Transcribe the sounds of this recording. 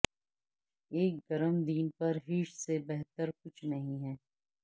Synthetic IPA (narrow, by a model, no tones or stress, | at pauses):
eːk̚ɡɐɾəmd̪iːnpɐɾɦiʃsebɛɦt̪əɾkʊt͡ʃʰnɐɦĩɦɛː